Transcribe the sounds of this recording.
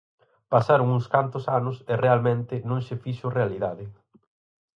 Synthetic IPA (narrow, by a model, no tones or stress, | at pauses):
pasaɾʊŋuŋskant̪ʊsanʊsɪrealmẽnt̪ɪnõŋsɪfiʃʊrealiðaðɪ